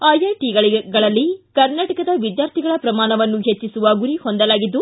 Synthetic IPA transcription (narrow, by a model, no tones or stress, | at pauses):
ɐjɐjʈiːɡɐɭɡɐɭɐlːikɐɾnaːʈɐkɐd̪ɐʋid̪jaːɾt̪ʰiɡɐɭɐpɾɐmaːnɐʋɐnːuɦet͡ʃːisuʋɐɡuɾihond̪ɐlaːɡid̪ːu